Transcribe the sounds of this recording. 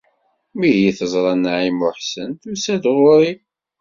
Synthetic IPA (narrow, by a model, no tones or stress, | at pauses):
miɦiθəzˤɾˤɑnːaʕimʊħsənt̪usæd̪ʁʊɾi